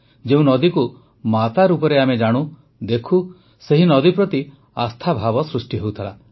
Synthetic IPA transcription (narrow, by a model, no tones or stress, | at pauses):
d͡ʒeũnɔd̪iku | mat̪aɾupɔɾeamed͡ʒaɽ̃ũ | d̪ekʰu | seɦinɔd̪ipɾɔt̪i | ast̪ʰabʱabɔsɾusʈiɦewt̪ʰala